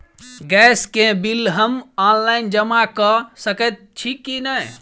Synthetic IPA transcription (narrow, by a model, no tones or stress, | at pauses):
ɡɛskẽbilɦəmanlaind͡ʒəmakəsəkət̪̚t͡ʃʰikːinəj